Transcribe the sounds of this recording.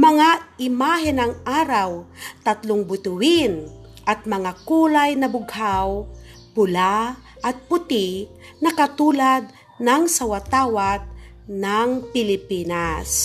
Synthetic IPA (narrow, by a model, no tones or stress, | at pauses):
mɐŋaɪmaːɦɪnɐŋʔaːɾawt̪ɐt̪lʊŋbʊt̪ʊwɪn | ʔɐt̪̚mɐŋakuːlajnɐbʊɡhaw | pʊla | ʔɐt̪̚pʊt̪ɪ | nɐkɐt̪uːlad̪̚ | nɐŋsɐwat̪aːwat̪̚ | naŋpɪlɪpiːnas